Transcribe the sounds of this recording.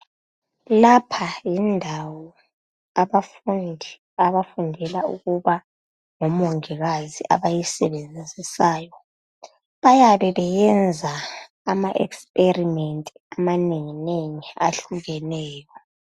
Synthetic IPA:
lapʰajindʱawɔ | aβafnʱ | aβafundʱɛlaṵɣuβa | ŋɔmoŋiɣaziʔa̰βajisɛβend͡zʱid͡zʱisaːjɔ | βajaβɛβɛjɛnd͡zʱaː | maʔɛ̰kspʼerimentʼiamaneŋineŋia̰ɬuɣɛnɛːjɔ

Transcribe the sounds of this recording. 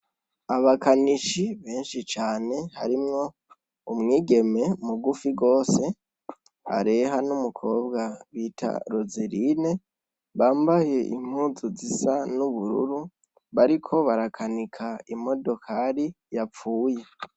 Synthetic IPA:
aβakaniʃiβe̞ːnʃit͡ʃaːne̞haɾimŋo̞ | umŋiːɡe̞me̞muɡufiɡo̞ːse̞ | a̰ɾe̞ɦanumukʰo̞ːbɡaβitʰa̰ɾoziɾine̞ | βaːmbahe̞ʔḭm̥huːzuzisanuβuɾṵɾu | βaɾikʰo̞βaɾakʰanikʰaimo̞do̞kʰaɾi | jap͡fuːje̞

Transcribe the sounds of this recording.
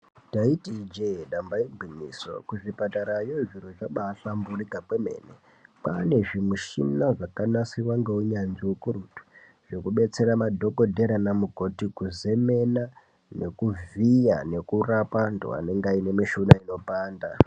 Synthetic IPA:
taitid͡ʒeɗambaibʱwimḭːso̞̰kuʐipataɾajoʐiroʐaɓaɬamburikapweme̞̰ːnḛ | pa̰ne̞ʐimuʃimnaʐakanasiwaŋɡeuɲanʐiwukurutu̥ | ʐ̥ekuɓe̞t͡se̞ɾamadʱo̞ko̞dʱe̞ɾanamuko̞tikuze̞me̞na | ne̞kuvijane̞kurapando̰a̰ne̞ŋɡainemiʃunaino̞paːnda

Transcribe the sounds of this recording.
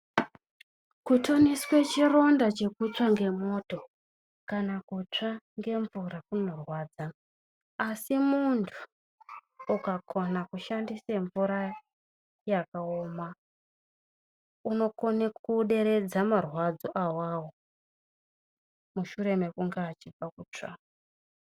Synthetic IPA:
kutʰo̞niswe̞t͡ʃiro̞ndat͡ʃe̞kut͡ʂaŋɡe̞mo̞ːto̞ | kanakut͡ʂaŋɡe̞ɱvurakuno̞rwaːd͡zaː | simuntʰu̥ː | kakʰo̞nakuʃandiseɱvuɾa | jakaoːma | uno̞konekuɗe̞ɾe̞d͡zamarwad͡zoʔawaːwo | muʃuɾe̞me̞kuŋɡeːt͡ʃib͡vakut͡ʂa̰

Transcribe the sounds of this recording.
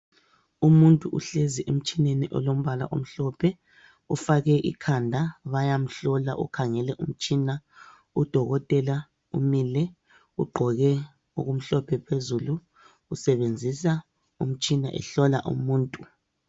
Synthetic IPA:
umuntʼuʔuɬeziʔem̩t͡ʃʼineniʔɔ̰lom̩βala̰ʔom̩ɬɔpʰɛ | ufaɣɛʔḭkʰandʱaβajam̩ɬɔla̰ʔukʰaŋɛlɛʔum̩t͡ʃʼina | ud̥ʱɔɣɔtʼɛla | ṵmilɛ | uɡ͡ǃʱɔɣɛ | o̰ɣum̩ɬɔpʰɛpʰezuluː | sɛβend͡zʱisa | um̩t͡ʃʼina̰ʔɛ̰ɬɔla̰ʔṵmuːntʼu

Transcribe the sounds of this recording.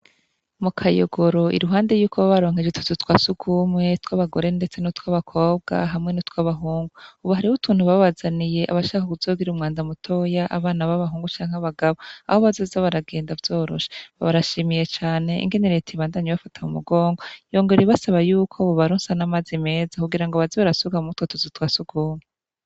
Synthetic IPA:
mukʰajo̰ɡo̞ɾo̞ʔḭɾuɦaːnde̞juːkʰoβaβaɾo̞ːŋ̥ed͡ʒetu̥tutwaːsukʰumŋe̞twaβaɡo̞ɾe̞nde̞t͡se̞nutwaβakʰo̞ːb̚ɡa̰ɦamŋe̞nutwaβaɦuːŋɡuuβaɦaɾihutʰuːnhuβaβazanije̞ʔaβaʃaːkakuvz̥o̞ːɡiɾumŋaːndamutʰo̞jaʔa̰βaːnaβaβaɦuːŋɡut͡ʃaːŋ̥aβaɡaβo̞a̰hoβazoːzaβaɾaɡe̞ːndavjo̞ːɾo̞̰ʃe̥βaβaɾaʃimije̞t͡ʃaːne̞ḭŋɡe̞neɾetʰiβaːndaɲeβafatʰaumṵɡo̞ːŋɡojo̞ːŋɡeɾeβasaβajuːkʰooβaɾoːnsanamazime̞ːzakuɡiɾaŋɡoβaziβaɾasuɡamutwotuzutwaːsukʰuːmŋe

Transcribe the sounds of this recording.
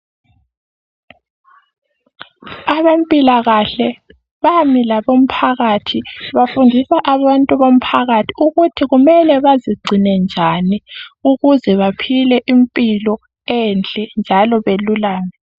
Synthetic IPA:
aβempʼilaɣaɬɛ | βamilaβom̩pʰaɣatʰiβafundʱisaʔaβantʼuβom̩pʰaɣatʰiuɣutʰiɣumɛlɛβaziɡ͡ǀʱinɛnd͡ʒʱaniuɣuzɛβapʰilɛʔimpʼilɔ | ɛnt͡ɬʼɛnd͡ʒʱalɔβelulaːŋɛ

